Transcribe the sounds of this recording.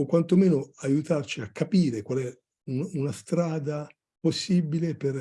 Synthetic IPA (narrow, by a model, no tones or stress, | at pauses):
kwant̪omeːnoajut̪art͡ʃiakʰːapiːɾekwalɛ | ununast̪ɾaːd̪a | posːibileper